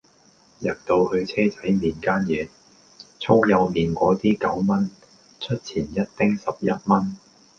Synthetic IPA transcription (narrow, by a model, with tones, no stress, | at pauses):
jɐ˨k̚t̪o˧whɵ˧ɥt͡sʰɛː˥t͡sɐ˨˥jmiː˨˩nkaː˥njɛː˨˧ | t͡sʰo˥wjɐ˨˧wmiː˨nkʷɔː˨˥t̪iː˥kɐ˨˥wmɐ˥n | t͡ʃʰɵ˥t̚t͡sʰiː˨˩njɐ˥t̚t̪ɪ˥ŋsɐ˨p̚jɐ˥t̚mɐ˥n